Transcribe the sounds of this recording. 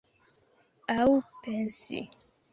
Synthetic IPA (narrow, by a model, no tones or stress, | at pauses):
awupɛnsḭ